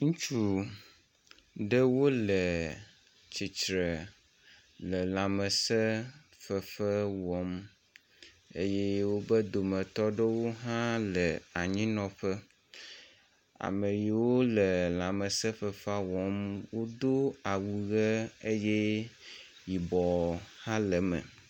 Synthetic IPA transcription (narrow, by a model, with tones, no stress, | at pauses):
ŋũ˦t͡ʃu˦ | ɖə˦wo˦lə˨ | t͡ɕi˨t͡ʃɾə˨ | lə˨la˨mə˨sə˦ | fə˨fə˦wɔ˨˦m | ḛ˦je˦wo˦bə˦d̪o˨mə̃˨t̪ɔ˦ɖə˦wo˦ɦã˦lə˨a˨ɲĩ˦nɔ̃˨ɸə˦ | a̰˨mə˨ji˨wo˦lə˨lã˨mə˨sə˦fə˨fa˦wɔ˨˦mwo˦d̪o˦a˨wu˨ɣə˦e˦je˦ | ji˨bɔ˨hã˦lə˨mə̰̃˨